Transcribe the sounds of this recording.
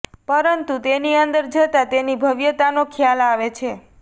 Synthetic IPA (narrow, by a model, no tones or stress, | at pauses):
pəɾənt̪ut̪eniənd̪əɾd͡ʒət̪at̪enibʱəʋjət̪anokʰjalaʋet͡ʃʰe